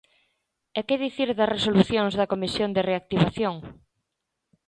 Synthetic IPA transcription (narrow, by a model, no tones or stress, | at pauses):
ekeðiθiɾðɐsresoluθjoŋzðɐkomisjond̪ereak̚t̪iβaθjoŋ